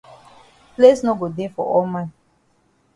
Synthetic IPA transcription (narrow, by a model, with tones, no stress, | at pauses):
ple˦sno˦ɡo˨de˦fɔ̰˨ɔ˦mã˦n